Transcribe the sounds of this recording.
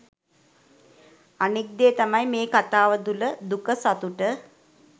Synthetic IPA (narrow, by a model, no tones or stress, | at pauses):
anik̚d̪eːt̪amajmeːkat̪aːʋəd̪uləd̪ukəsat̪uʈə